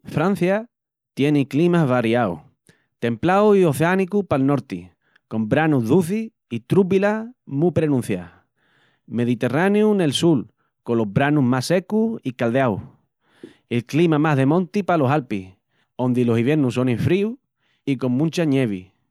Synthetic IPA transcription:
fɾan̟θja | t̪je̞neklimaɦβaɾjaw̰ | t̪e̞mplawioθeanikupalno̞ɾt̪i | ko̞mbɾanuɦðuθi | it̪ɾup̬ilamupɾe̞nũn̟θja̰ | me̞ðit̪e̞raneune̞lsul | kolo̞ɦβɾanuɦmase̞kuikald̪eaw | elklimamaɦðe̞mõnt̪ipalo̞salpih | õ̞nd̪ilo̞siβje̞ɾnuso̞neɱfɾiu | iko̞ŋmũnt͡ʃaɲe̞βḭ

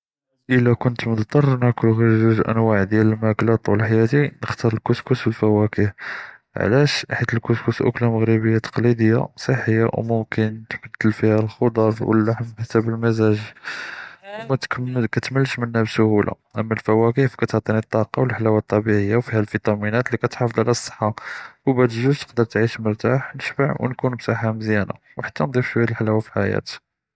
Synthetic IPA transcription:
ʔəlækʊnt̪məd̪t̪ˤːɑrˤnækʊlɣiɾzuzʔə̰nwaʕd̪jæləlmæklɑt̪ˤwəlħajæt̪inəxt̪ɑɾˤəlkʊskuswəlfæwækifʕ̰læʃħit̪əlkʊskusʔʊklaməɣɾibəjːat̪ɑ̥qlid̪əjːa̰sˤəħːəjːa̰wmʊmkənt̪bəd̪ːəlfihælxod̪ˤɑɾˤwə̰lːaħmħsæbəlmæzæʒ | mækæt̪məlʃmənːæbsʊhulʔa̰ | ʔəmːælfæwækifkæt̪əʕt̪ˤɑnit̪ˤːɑqɑwəlħalæwæt̪ˤːɑbiʕəjːawfihælfit̪ˤɑminæt̪likæt̪ħɑfd̪ˤʕalæsˤːə̥ħːɑwbæt̪ʒuzt̪ə̥qd̪əɾˤt̪ʕiʃməɾt̪aħnəʃbaʕwnkunbsɑħamzjæna̰ | wħḁt̪ːænd̪ˤifʃwæjælħalæwafiħajæ̰t̪

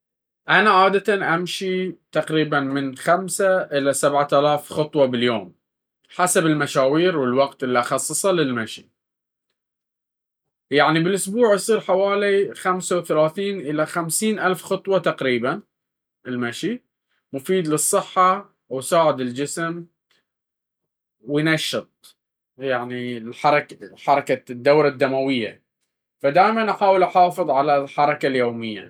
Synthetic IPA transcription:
ʔanaʕaːd̪at̪anʔamʃit̪aqɾiːbanmɪnxamsaʔɪlasabʕat̪alaːfxʊt̪ˤwɑbɪljoːm | ħasabɪlmaʃaːwiːɾwɪlwaqt̪ʔɪlːiʔɑxɑsˤːɨsˤɑlɪlmaʃi | jaʕnibɪlʔʊsbuːʕʔɑsˤiːɾħawaːlixamsawθalaːθiːnʔɪlaxamsiːnʔalfxʊt̪ˤwɑt̪aqɾiːban | ɪlmaʃi | mʊfiːd̪lɨsˤːɨħːɑ | wsaːʕɪd̪ɪld͡ʒɪsm | wɪjnaʃːɨt̪̚ˤ | jaʕnilħɑɾˤɑkħɑɾˤɑkad̪ːawɾɑd̪ːamawɪjːa̰ | fad̪aːjmanʔaħaːwɪlʔaħɑːfɨðˤʕalalħɑɾˤɑkaljoːmɪjːa̰

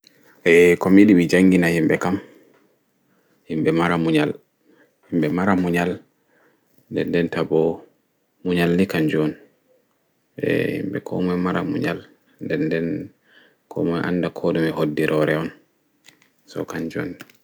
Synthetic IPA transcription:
ʔɛkɔmiɗimid͡ʒaŋɡinahimbɛkam | himbɛmaɾamuɲal | himbɛmaɾamuɲal | ndɛndɛntabɔ | muɲalːikaɲd͡ʒon | ʔɛ̰hḭmbɛ̰kʰɔ̰mɔjmaɾamṵɲal | ndɛndɛn | kʰɔ̰mɔjʔa̰nːdakʰɔɗumɛhodːiɾʔɔɾɛɔn | sɔ̰kaɲd͡ʒo̰n

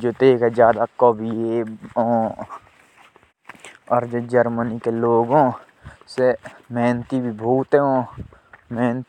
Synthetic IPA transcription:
d͡ʒoːd̪eːkɛd͡ʒjaːd̪akoːbʱieõ | ɔːɾd͡ʒoːd͡ʒəɾmənikeloːɡõ | semɛːnt̪ibʱibʱuːt̪ɦɛɦõː | mɛːnt̪

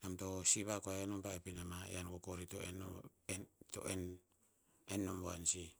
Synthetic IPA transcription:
namto̞siβakoaenompaepinamaḛankokoɾitoeneto̰ʔen | enːomboansi

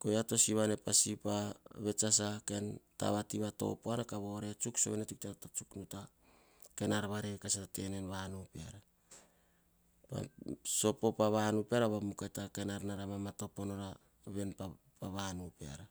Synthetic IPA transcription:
ko̞jato̞siβane̞pasipaβe̞t͡ʃas̬ake̞nta̰βatiβato̞̰poanakaβo̞ɾeat͡ʃuksoβenetuktanatat͡ʃuknuta | ke̞naɾβaɾekasaate̞ne̞nβanupea̰ɾa | pa̰so̞po̞paβanupeaɾaβamukatake̞naɾnaɾamamato̞po̞no̞ɾa | βe̞npa | paβanupea̰ɾa

